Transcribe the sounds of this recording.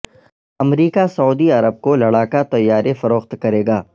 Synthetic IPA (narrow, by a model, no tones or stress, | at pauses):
ɐmɾiːkasɐuːd̪iɐɾəb̚kolɐɽaːkat̪ɐjːaːɾefɐɾoːxt̪kɐɾeːɡaː